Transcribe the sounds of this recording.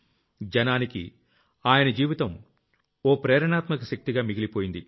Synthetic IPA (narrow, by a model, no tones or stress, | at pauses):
d͡ʒɐnaːnikḭ | aːjɐnɐd͡ʒiːʋit̪ɐm | oːpɾɛːɾɐɳaːt̪mɐkɐʃɐk̚t̪iɡaːmiɡilipoːjind̪i